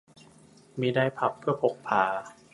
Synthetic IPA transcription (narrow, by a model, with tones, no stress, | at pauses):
miː˧daː˧jpʰa˨˩pʰːɯ˥˩ɐpʰo˨˩k̚pʰaː˩˦